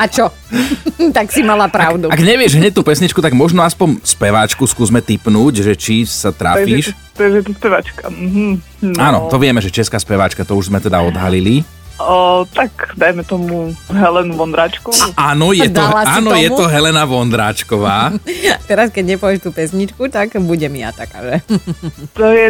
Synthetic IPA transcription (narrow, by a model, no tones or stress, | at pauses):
at͡ʃɔ | t̪aksimalapɾaʊd̪uaɡkɲɛʋɪɛʒɦɲɛc̚t̪uːpɛsɲit͡ʃkut̪aɡmɔʒnɔaspɔɲspɛʋaːt͡ʃkuskuːzmɛt̪ipnuːɟʒɛt͡ʃisat̪ɾa̰ːpaʒiːʃ | t̪aʒjɛt̪ɔspɛʋa̰t͡ʃka̰m̩ɦ̩̪ | aːnɔt̪ɔʋɪɛmɛʒɛt͡ʃɛskaːspɛʋaːt͡ʃkat̪ɔuʒzmɛt̪ɛd̪aɔd̪ɦalili | t̪akd̪ajmɛt̪ɔmuɦɛlɛnuʋɔnd̪ɾaːt͡ʃkɔaːnɔjɛt̪ɔaːnnɔjɛt̪ɔɦɛlɛnaʋɔnd̪ɾaːt͡ʃkɔʋaːt̪ɛɾaskɛɟɲɛpɔʋjɛʃt̪uːpɛsɲit͡ʃkut̪akbuɟɛmia̰t̪aka̰ːʒɛ | t̪ɔjɛ